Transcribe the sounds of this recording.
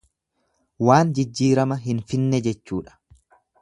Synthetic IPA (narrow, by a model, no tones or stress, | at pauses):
waːnd͡ʒɪd͡ʒːiːɾɐmɐɦɪnfɪnːɛd͡ʒɛt͡ʃːuːᶑɐ̥